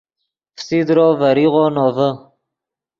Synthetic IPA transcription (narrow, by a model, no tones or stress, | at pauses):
fsid̪ɾoːvaɾiʁonovə